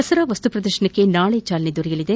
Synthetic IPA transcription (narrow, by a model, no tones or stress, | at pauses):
ɐsɐɾɐʋɐst̪upɾɐd̪ɐrʃɐɳɐkːe̞naːɭet͡ʃaːlɐned̪uɾɐjɐlid̪e̞